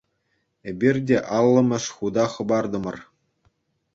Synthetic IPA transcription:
ebʲirʲdʲeʔɑlˠːɤ̆mʲɤ̆ʂχud̪ɑχɤ̆bɑrd̪ɤ̆mɤ̆r

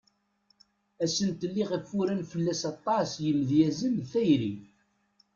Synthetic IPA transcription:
æsənt̪əlːiʁəfːuɾənfəlːæsɑt̪ˤːɑsjəmðjæzənθæjɾḭ

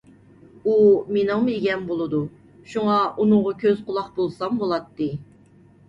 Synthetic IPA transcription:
umenɨŋmeɡʲɛnbolˠɨd̪u | ʃuŋɑʔunʊŋʁɑkʲʰøz̥qʰʊlˠɑqbolˠsɑmbolˠɑt̪ːɨ

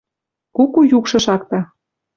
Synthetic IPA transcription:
kukujukʃɤ̆ʃɑk̚t̪ɑ

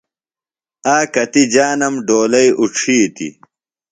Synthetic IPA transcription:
aːkɐt̪id͡ʑaːnɐmɖoːlɐjʔuʈ͡ʂʰiːt̪ḭ

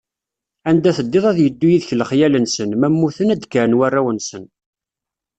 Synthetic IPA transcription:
ænd̪æθəd̪ːɪðˤæðjəd̪ːujiðçləχjælənsənmæmːuθənæd̪kəɾnwarːæwənsən

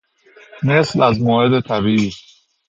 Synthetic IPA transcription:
meslæzmoːhed̪et̪ʰæbiʔiː

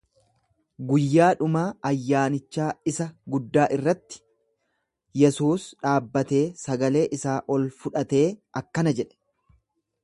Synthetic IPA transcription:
ɡʊjːaːᶑʊmaːɐjːaːnɪt͡ʃːaːɪsɐɡʊd̪ːaːʔɪrːɐt̪ːɪ̥ | jɛsuːsᶑaːbːɐt̪e̞ːsɐɡɐle̞ːʔɪsaːʔɔlfʊᶑɐt̪e̞ːʔɐkːɐnɐd͡ʒɛᶑɛ̥

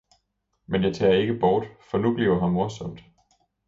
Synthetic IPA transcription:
menjɑ̈ɪt͡sʰɛ̰ːɐe̝ɡ̥əb̥ɒːd̥fɒ̽nub̥lḭʊɐɦɑ̈mmo̝ɐsɔ̽m̰d̥

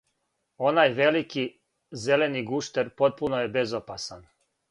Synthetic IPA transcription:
o̞najʋe̞liki | zele̞niɡuʃt̪eɾpo̞t̪̚punojebezopasan

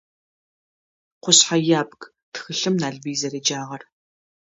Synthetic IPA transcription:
qʷʊɕħajaːbɡ | tʰxɨɬɨmnaːɮviːzɐɾid͡ʒaːʁɐr

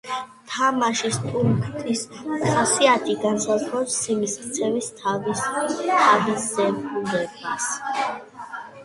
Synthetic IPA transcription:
t̪ʰamaʃist̪ʼuɾkʰt̪ʰisχɔsiat̪ʰiɡansazɾɔsːimiskʼt̪sʰɛvist̪ʰavist̪ʰaviszɛbulɛbas

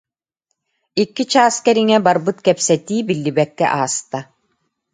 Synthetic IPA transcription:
ikːit͡ɕaːskɛɾiŋɛbaɾbɯt̪kɛpsɛt̪iːbilːibɛkːɛ̰ʔaːst̪a

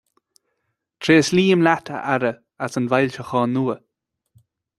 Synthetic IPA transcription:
t̪ʰɾeːsliːmlatʰə̰ʔaɾə | asənvajlʲt͡ʃəxɔːnːuːə

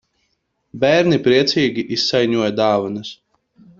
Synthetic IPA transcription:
bæːɾnipɾiɛt̪siːɡʲiʔisːajɲuɔjɐd̪aːvans

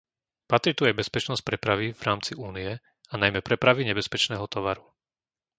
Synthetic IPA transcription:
pat̪ɾit̪uajbɛspɛt͡ʃnɔsc̚pɾɛpɾaʋivɾaːmt͡siʔuːniɛ | anajmɛpɾɛpɾaʋiɲɛbɛspɛt͡ʃnɛːɦɔt̪ɔʋaɾu

